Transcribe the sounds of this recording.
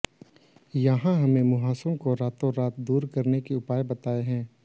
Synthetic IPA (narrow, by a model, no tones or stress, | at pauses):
jɐɦãɦɐmẽmʊɦaːsɾõkoɾaːt̪õɾaːt̪̚d̪uːɾkɐɾnekiʊpaːjebɐt̪aːeɦɛ̃ː